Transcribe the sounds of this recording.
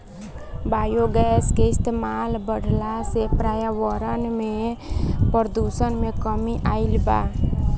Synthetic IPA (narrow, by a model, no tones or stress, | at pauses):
bajoɡɛskeɪst̪emalbəɽʱlasepɾajaʋəɾənme | pəɾd̪usənmekəmiʔaɪlba̰